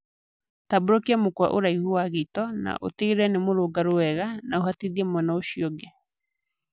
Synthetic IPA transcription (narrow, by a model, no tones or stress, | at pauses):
taboɾokiamokwa̰ʔo̰ɾaihuaɣitɔna̰ʔo̰tiɾɛnemoɾoɡaɾoɛɣanaoɦatiðiɛmwɛnaoɕiɔɡɛ